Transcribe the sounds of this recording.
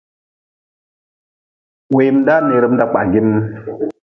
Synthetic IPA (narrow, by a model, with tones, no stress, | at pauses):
we˨jm˦da˦ne˨ɾə˦mn˦da˦k͡pa̰˨ɡi˦n˦